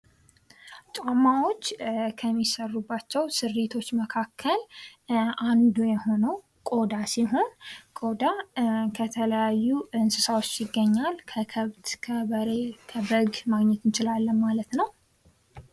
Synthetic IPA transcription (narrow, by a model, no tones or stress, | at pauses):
t͡ʃʼamːawo̞t͡ʃːkʰəmːisərːubːat͡ʃːɛwsɨrːet̪ʰo̞t͡ʃːməkʰakʰːəl | ʔand̪ujɛho̞nəw | kʼo̞d̪asiɦo̞nkʼod̪akʰət̪ʰələjajːuɨnsɨsawot͡ʃːjɪɡːəɲːalkʰəkʰəβt̪kʰəβəɾekʰəbəɡmaɡɲɛt̪ɨnt͡ʃɪlalːəmmalət̪nəw